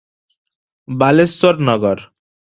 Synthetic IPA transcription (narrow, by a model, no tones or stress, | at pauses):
balesɔɾnɔɡɔɾ